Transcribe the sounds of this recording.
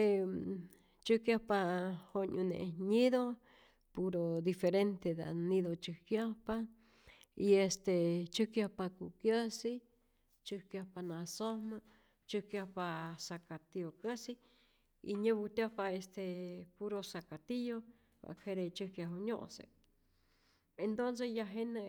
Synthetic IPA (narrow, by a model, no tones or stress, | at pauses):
e | t͡ʃɨkjahpahoɲũnḛɲiðo | puɾod̪ifeɾent̪ed̪a̰nĩðot͡ʃɨhkjahpa | iest̪et͡ʃɨhkjahpakukjəsi | t͡ʃɨhkjapanasoma | t͡ʃɨhkjahpasakat̪iokəsi | ḭɲeβut̪ʲjahpaest̪epuɾosakat̪ijo | ba̰kʰeɾet͡ʃɨkjaɦoɲo̰ʔsḛ | ent̪onsejaɦene